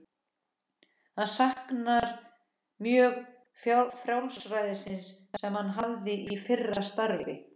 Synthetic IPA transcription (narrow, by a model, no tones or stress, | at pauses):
aðsahknaɾ | mjœːɣ | fjfɾjawlsɾaːjðɪsɪns | ɛmhanːɦavðɪʔifɪrːast̪aɾvɪvɪ̰